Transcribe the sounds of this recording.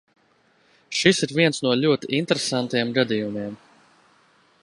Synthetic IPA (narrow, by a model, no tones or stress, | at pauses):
ʃisiɾviɛnsnuɔlʲuɔt̪iʔint̪eɾesant̪ajɛmɡad̪ijumiɛm